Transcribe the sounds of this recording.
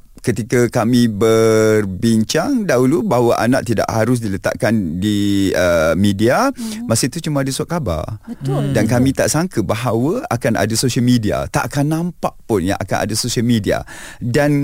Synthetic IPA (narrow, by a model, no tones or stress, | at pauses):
kət̪ikakamĩbərbiɲt͡ʃaŋdaɦulubaɦwaʔa̰nã̰ʔt̪ida̰ʔhaɾʊs̬dilət̪a̰ʔkandiəmidiamasəit̪ut͡ʃumaadasuat̪̚kaba̰rədankamĩt̪aʔsaŋkəbaɦawəakana̰dasosəlmidia̰t̪aʔkanːãmpaʔpʊnja̰ŋʔa̰ka̰na̰dasosialmidia̰dan